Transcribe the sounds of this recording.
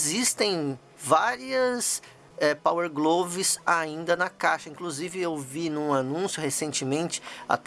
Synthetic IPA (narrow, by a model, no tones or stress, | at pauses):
zist̪ẽj̃ | vaɾiɐs | ɛpaweɾɡlovɪsaĩnd̪ɐnɐkaʃɐĩkluzivɪewvinũanũsjʊɦesẽnt͡ʃɪmẽnt͡ʃɪ̥a̰t̪